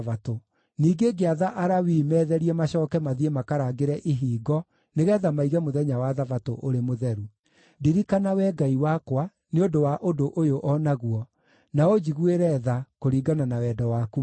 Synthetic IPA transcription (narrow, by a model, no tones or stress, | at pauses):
vato | niːɡeɡeaðaʔaɾawimɛːðɛɾiɛmaɕɔːkɛmaðiemakaɾaːɡeɾɛʔiɦiːɡɔ | neɣɛːðamaiɣɛmoðɛɲawaðavato̰ʔoɾemoðɛɾu | diɾikanawɛɡaiwakwa | neodowaʔodoʔojoʔɔnaɣwɔ | naod͡ʒiɣueɾɛðakoɾiːɡananawɛːdɔwaku